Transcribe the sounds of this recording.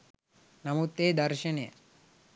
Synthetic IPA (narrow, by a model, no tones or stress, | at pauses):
nɐmut̪ːeːd̪ɐɾʃɐnejə̰